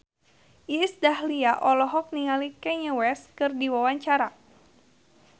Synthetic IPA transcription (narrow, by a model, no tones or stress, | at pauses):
isdahliaʔɔlɔɦɔk̚niŋalikɛɲəwɛskɨrdiwawaɲt͡ʃaɾa